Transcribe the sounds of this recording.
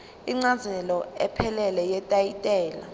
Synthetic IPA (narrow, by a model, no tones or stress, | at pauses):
iŋ͡ǀazɛlɔɛpʰɛlɛlɛjɛtʼajitʼɛːla